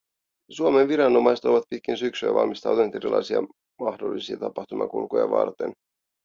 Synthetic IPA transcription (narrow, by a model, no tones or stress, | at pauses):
suomenʋiɾɑnːo̞mɑjset̪o̞ʋɑt̪̚pit̪̚kinsyksyɑ̰ʋɑ̰lmist̪ɑ̰wt̪unet̪e̞ɾilʔɑ̰jsiɑ̰ | mɑxdo̞lːisiɑt̪ɑpɑxt̪umɑ̰kṵlkojɑ̰ʋɑ̰rt̪en